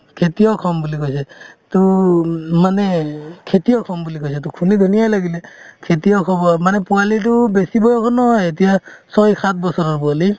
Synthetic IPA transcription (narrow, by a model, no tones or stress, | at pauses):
kʰetijɔkʰɔmbulikojsɛtu | manɛkʰetijɔkʰɔmbulikojsɛtukʰunid̪ʱunijajlaɡilɛkʰetijɔkʰɔbɔmanɛpualit̬ubesibɔjɔkʰɔnɔɦjet̬ijasɔjkʰat̪̚ʰbɔsɔɾɔɹpuali